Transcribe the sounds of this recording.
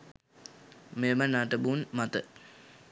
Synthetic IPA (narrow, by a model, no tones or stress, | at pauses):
memənaʈəbuːnmat̪ə